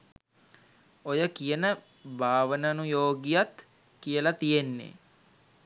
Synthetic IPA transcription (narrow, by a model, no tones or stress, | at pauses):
ojəkijənə | bʱaːʋənənujoːɡijat̪ | kijəlat̪ijenːḛ